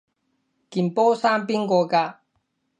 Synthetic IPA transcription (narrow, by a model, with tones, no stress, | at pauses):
ki˨mpo˦sa˦mpi˦ŋɡo˨ka˦˨